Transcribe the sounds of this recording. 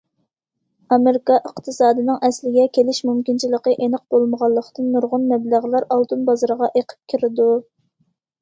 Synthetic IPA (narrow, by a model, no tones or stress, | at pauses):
ɑmeɾɪkɑʔəqt̪ʰɨsɑːd̪ɨnɨŋʔɛslɪɡʲɛkʲelɪʃmumkʲint͡ʃʰiləqəʔenəq̚b̥olˠməʁɑlˠːəqt̪ɨnːuɾʁʊnmɛblæʁlˠɑɾɑlˠt̪unbɑzɑɾʁɑʔeqʰə̥p̚kʲʰiɾɪd̪u